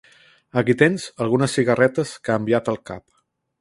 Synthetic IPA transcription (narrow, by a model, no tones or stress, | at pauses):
əkit̪enzəlˠɣunəsːiɣərɛt̪əskaəmbiat̪əlˠka̰p